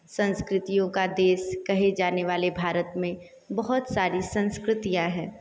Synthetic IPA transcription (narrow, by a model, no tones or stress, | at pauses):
sɐ̃nskɾɪt̪ijõkad̪eːʃkɐɦed͡ʒaːneʋaːlebʱaːɾət̪mẽ | bɐɦʊt̪saːɾisɐ̃nskɾɪt̪ijãɦɛː